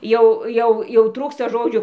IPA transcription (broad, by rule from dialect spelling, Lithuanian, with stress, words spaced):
ˈjɛʊ ˈjɛʊ jɛʊ ˈtruːkstɐ ˈʒoːd͡ʒʲuː